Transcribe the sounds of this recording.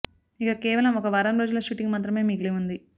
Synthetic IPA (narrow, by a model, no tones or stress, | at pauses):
ikakɛːʋɐlɐmɔkɐʋɐɾɐmpɾɐd͡ʒulɐʃuʈiŋɡmaːt̪ɾɐme̞ːmiːkleund̪i